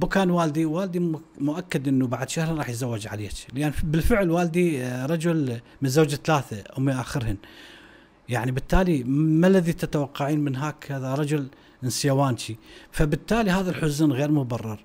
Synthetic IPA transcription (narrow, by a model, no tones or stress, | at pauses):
bʊkaːnwaːld̪iwaːld̪imʊʔakːad̪ʔɪnːubaʕad̪ʃahɾˤɾˤɑːħjzawːɪd͡ʒʕa̰leːt͡ʃlʔanbɪlfɪʕlwaːld̪iɾˤɑd͡ʒʊl | mɪnzawd͡ʒaθalaːθaʔʊmːiʔaːxɪɾhɪn | jaʕnibɪt̪ːaːlimalːaðit̪at̪awɑqːɑʕiːnmɪnɦaːkʰaðaɾˤɑd͡ʒʊl | ʔɪnsɪjawaːnt͡ʃifabɪt̪ːaːliɦaːðalħʊznɣeːɾmʊbɑrˤːɑɾˤ